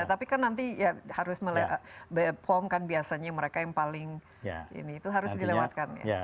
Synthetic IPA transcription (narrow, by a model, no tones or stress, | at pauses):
at̪apikarnːant̪ijahaɾʊsməlebəpʰɔmkanbiasaɲaməɾekajaŋpalɪŋ̰ | ḭniːt̪uɦaɾʊsdilewat̪̚kanja̰